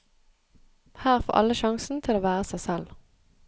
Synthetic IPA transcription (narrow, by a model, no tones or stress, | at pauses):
hæːʁfo̰ːʔɑ̰ləʃɑŋsn̩t̪ʰɪloːʋæːʁəsæɪsɛl